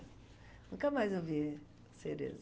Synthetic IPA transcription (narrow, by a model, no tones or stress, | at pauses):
nũkɐmajzevi | seɾḛz